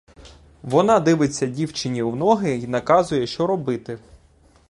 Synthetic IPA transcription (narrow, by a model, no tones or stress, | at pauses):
ʋɔnɑd̪ɪʋɪt͡sʲːɐdʲiwt͡ʃɪnʲiwnɔɦɪinɐkɑzʊjɛʃt͡ʃɔɾɔbɪt̪ɪ